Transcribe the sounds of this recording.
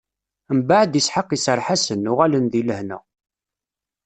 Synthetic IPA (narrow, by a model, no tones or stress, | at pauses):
mbaʕəd̪əsħəqːisəɾˤħasənːʊʁælənðiləhnæ̰